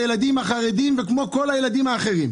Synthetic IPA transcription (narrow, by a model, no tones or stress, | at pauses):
jelad̪imhaχaʁed̪imvekmo̞ko̞lajelad̪imaːχe̞ʁim